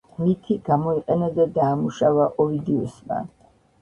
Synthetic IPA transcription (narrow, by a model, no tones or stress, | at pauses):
mit̪ʰiɡamɔiqʼɛnad̪ɛd̪aːmuʃavaʔɔid̪iɔsma̰